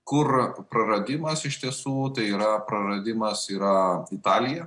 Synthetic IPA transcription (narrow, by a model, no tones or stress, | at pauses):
kʊrpɾɐɾɐd̪ʲɪmɐsɪʃʲt̪ʲiɛsuːt̪ɐɪiːɾɐpɾɐɾɐd̪ʲɪmɐsiːɾɐɪt̪ɑːlʲɪjɛ